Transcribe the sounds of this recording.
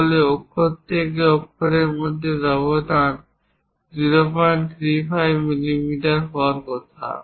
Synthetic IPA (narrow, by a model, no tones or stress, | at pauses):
oleokʰːoɾt̪ʰek̬eokʰːoɾeɾmod̪ʱːezɔβod̪ʱan | ziɾopant̪ʰɾifʰajbmilimiʈaɾɦɔwaɾkɔt̪ʰa̰